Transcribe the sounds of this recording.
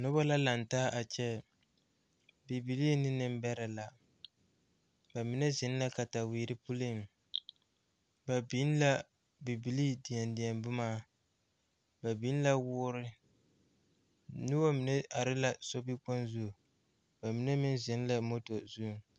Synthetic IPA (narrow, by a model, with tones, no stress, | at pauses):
nʊ˦ba˦la˦la˨n˨taː˦ʔa˨t͡ʃɛ˦ | bi˨bi˨li˦nɪ˦nɨ˦m˦bɛ˦ɾɛ˨la˨ | ba˨mi˨nɛ˦zɪ˨˦n˦la˦ka˨ta˨wiː˨ɾɪ˦pu˦li˦˨m˨ | ba˨bi˦n˦la˦ | bi˨bi˨liː˦di˨ɛ˨ndi˨ɛ˨mbʊ˦maː˦ | ba˨bi˨˦n˦la˦wʊː˦ɾɪ˦ | nʊ˦wa˦mi˨nɛ˦a˨ɾɪ˦la˦so˦bi˦k͡po˦nzu˦˨ | ba˨mi˨nɛ˦mɪ˦nzɪ˨˦n˦la˦mo˦to˨zu˦˨ŋ